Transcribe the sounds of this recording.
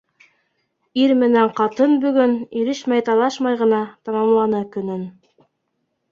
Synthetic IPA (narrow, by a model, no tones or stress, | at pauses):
iɾmɘ̆næɴqɑt̪ɤnbɵ̆ɡɵnilɘʃmæjt̪ɑlˠɑʃmɑjʁɤ̆nɑt̪ɑmɑmlˠɑnɤkɵ̆nɘn